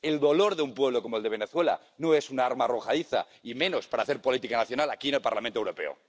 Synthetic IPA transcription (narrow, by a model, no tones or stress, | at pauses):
e̞ld̪o̞lo̞ɾðeumpwe̞β̞lo̞ko̞moeld̪eβ̞e̞ne̞θwe̞la̰ | no̞e̞sunaaɾmaːroxaðiθa̰ | imẽ̞no̞spaɾaːθe̞ɾpo̞lit̪ikanaθjo̞nalakienelpaɾlamẽnt̪owɾo̞pe̞̰o̰